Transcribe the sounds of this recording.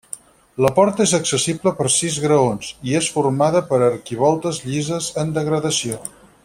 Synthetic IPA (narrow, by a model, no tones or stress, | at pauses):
ləpɔɾt̪əezəksəsibləpəɾsizɣɾəonziesfurmaðəpəɾərkiβ̞ɔlˠt̪əzʎizəzənd̪əɣɾəðəsio